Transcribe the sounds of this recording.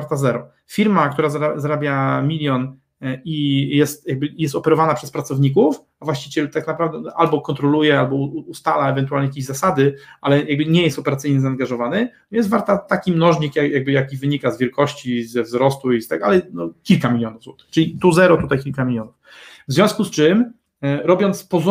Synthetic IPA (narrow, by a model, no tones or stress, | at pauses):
aɾt̪azɛɾɔ | fʲiɾmak̚t̪uɾazaɾazaɾabʲjamʲilʲjɔn | ijɛst̪jaɡ̚bɘjɛst̪ɔpɛɾɔvanapʂɛspɾat̪sɔvɲik̬uf | avwaɕt͡ɕit͡ɕɛlt̪aknapɾavd̪ɛʔalbɔkɔnt̪ɾɔlujɛalbɔust̪alaɛvɛnt̪ualɲɛjak̬ʲeʑzasad̪ɘʔalɛjaɡ̚bɘɲɛjɛst̪ɔpɛɾat̪sɘjɲɛzaːŋɡaʐɔvanɘnjɛnvaɾt̪at̪akʲimnɔʐɲikjajaɡ̚bɘjakʲivɘɲikazvʲjɛlkɔɕt͡ɕizɛvzɾɔst̪uist̪aɡ̪a̰lɛjnɔkʲilkamʲilʲjɔnuvzwɔt̪ɘ̥xt͡ʂɘlʲit̪uzɛɾɔt̪ut̪ajkʲilkamʲilʲjɔnuf | vzvʲɔ̃w̃skust͡ʂɘm | ɾɔbʲjɔnt̪spɔz